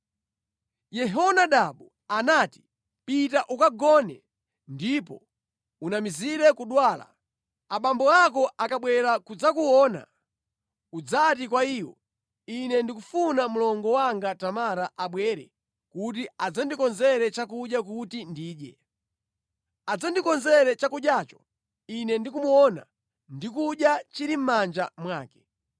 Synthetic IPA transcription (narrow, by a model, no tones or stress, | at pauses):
jɛɦɔnaɗaɓu | anaːti̥ | pitaʔukaɡɔnɛ | ndipɔ̰ | unamiziɾɛkuɗwaːla̰ | aɓambɔakɔʔakaɓwɛɾakud͡zakuwɔːna̰ | ud͡zatikwaiwɔ̰ | inɛndikufunamulɔŋɡɔwaŋɡatamaɾaʔaɓwɛɾɛ̰ | kutiad͡zandikɔnzɛɾɛt͡ʃak̬uɗjak̬utindiːɗjɛ̰ | ad͡zandikɔnzɛɾɛt͡ʃakuɗjaːt͡ʃɔ̥ | inɛndikumuwɔna̰ | ndikuɗjat͡ʃiɾim̩mand͡ʒamwaːkɛ̥